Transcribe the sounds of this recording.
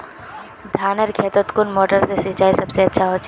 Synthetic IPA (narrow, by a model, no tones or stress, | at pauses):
d̪ʱaːnəɾkʰeːt̪ət̪kʊnmoːʈəɾsesit͡ʃaːisɐbseɐtːʃʰaɦoːt͡ʃ